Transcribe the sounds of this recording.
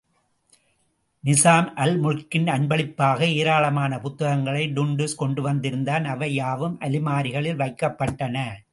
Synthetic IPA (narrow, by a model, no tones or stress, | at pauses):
nɪsaːmʔɐlmʊɻkːɪnɐɳbɐɭɪpːaːɣɐeːɾaːɭɐmaːnɐpʊt̪ːɐɣɐŋɡɐɭɐɪɖʊɳɖɯskɔɳɖɯʋɐnd̪ɪɾɯnd̪aːnɐʋɐjaːʋɯmʔɐlɪmaːɾɪɣɐɭɪlʋɐɪkːɐpːɐʈːɐnɐ